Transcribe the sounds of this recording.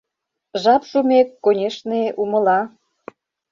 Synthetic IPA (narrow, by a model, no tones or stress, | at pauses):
ʒɑpʃumʲekːonʲeʃneʔumə̆lɑ